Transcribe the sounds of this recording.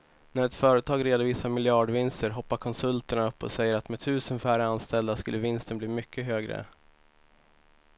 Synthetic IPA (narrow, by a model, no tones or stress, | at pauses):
næɾɛt̪fœːɾət̪ʰɑːɡɾeːd̪ʊviːsamɪlɪɑːɖvɪnst̪əɾɦɔpːaɾkʰɔnsɵlt̪əɳaɵpːɔ̰sɛjːəɾat̪mɛt̪ʰʉ̟ːsənfæːɾəanst̪ɛld̪askɵlːəvɪnst̪ənbliːmʏkʰːəɦøːɡɾə̰